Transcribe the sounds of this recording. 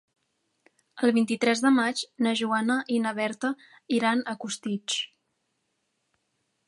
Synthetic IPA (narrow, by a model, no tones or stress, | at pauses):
əlˠβint̪it̪ɾɛzðəmad͡ʒnəʒuanəʔinəβ̞ɛɾt̪ə | iɾanəkust̪it͡s